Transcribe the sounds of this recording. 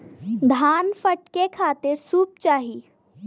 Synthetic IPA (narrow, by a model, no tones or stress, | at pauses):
d̪ʱaːnfəʈkekʰaːt̪ɪɾsuːp̚t͡ʃaːɦi